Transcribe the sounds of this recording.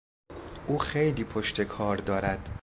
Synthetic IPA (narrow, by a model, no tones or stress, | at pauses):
ʔuːxejliːpʰoʃt̪ʰe̞kʰɒːɾd̪ɒːɾæd̪̥